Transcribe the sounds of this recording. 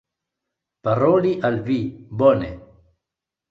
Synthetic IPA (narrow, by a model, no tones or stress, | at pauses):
paɾoːliʔalvibonḛ